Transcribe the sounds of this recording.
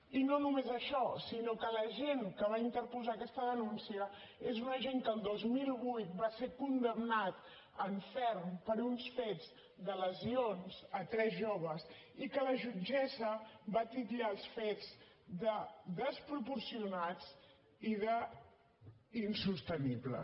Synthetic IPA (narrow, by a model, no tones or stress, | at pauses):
inonumezəʃɔsinokələʒeŋkəβ̞aint̪əɾpuzaːkɛst̪əðənunsiə | ezunəʒeŋkəːlˠd̪ozmilˠβujt̪̚basekund̪əmnat̪ | əɱfɛrmpəɾunsfed͡z | d̪ələzionzət̪ɾɛzʒoβ̞əsikələʒud͡ʒɛzəβat̪iʎaəlˠsfed͡z | d̪əðəspɾupuɾsiunat͡s | iðə | insust̪əniblə̰